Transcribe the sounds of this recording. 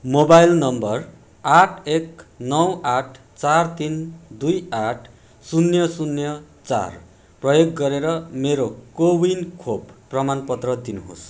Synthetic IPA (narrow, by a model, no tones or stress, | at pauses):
mobajlnʌmbʌr | aʈʰeknʌwaʈʰ | t͡sart̪ind̪ujaʈʰ | sunjʌsunjʌ | t͡sa̰r | prʌjoɡːʌɾeɾʌmeɾokowinkʰobːrʌmanpʌt̪rʌd̪inuɦo̰s